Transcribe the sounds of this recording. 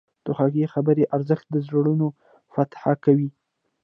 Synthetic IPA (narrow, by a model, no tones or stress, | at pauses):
t̪oxaɡexabəɾeʔaɾzəxt̪̚d̪əzɾaɽuno | fat̪ħakawi